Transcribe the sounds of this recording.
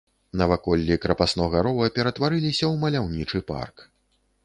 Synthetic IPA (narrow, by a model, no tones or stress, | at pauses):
nɐvakɔlʲːikɾɐpasnɔɣaɾɔvɐpʲɛɾɐt̪vaɾɨlʲisʲɐwmɐlʲawnʲit͡ʂɨpa̰rk